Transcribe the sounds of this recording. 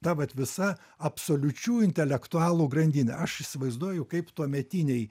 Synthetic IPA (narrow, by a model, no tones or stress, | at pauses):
t̪ɐʋɐt̪ʲʋʲɪsɐ | ɐpsoːlʲʊt͡ʃʲuːɪnʲt̪ʲɛlʲɛkt̪ʊɑːlˠuːɡrɐnʲd̪ʲɪnʲɛ̰ʔɐʃɪsʲɪʋɐɪzd̪uɔjɛʊkɐɪpt̪uɔmʲɛt̪ʲinʲɛɪ